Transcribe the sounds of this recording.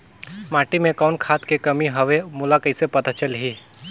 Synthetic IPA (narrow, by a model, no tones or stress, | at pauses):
maːʈimẽkaːnkʰaːt̪kekɐmiɦəʋemʊlakəɪsepɐt̪at͡ʃəlɦiː